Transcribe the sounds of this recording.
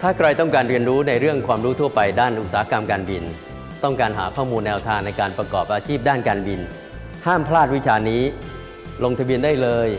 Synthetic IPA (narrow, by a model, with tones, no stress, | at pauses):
t̪ʰaː˥˩kʰɾa˧jt̪ɔ˥˩ŋkaː˧nɾi˧ənɾuː˦˥na˧jɾɯ˥˩əŋkʰwaː˧mɾuː˦˥t̪ʰu˥˩ɐpa˧jdaː˥˩nʔu˨˩t̪saː˩˦a˦˥ka˧mkaː˧nbi˧n | t̪ɔ˥˩ŋkaː˧nɦa̰ː˩˦kʰɔː˥˩muː˧nːɛː˧wt̪ʰaː˧ŋna˧jkaː˧npɾa˧kɔː˨˩p̚ʔaː˧t͡ɕʰiː˥˩p̚daː˥˩nkaː˧nbi˧n | haː˥˩mpʰlaː˥˩t̪̚wi˦˥t͡ɕʰaː˧niː˦˥ | lo˧ŋt̪ʰa˧bi˧əndaː˥˩jlɤː˧j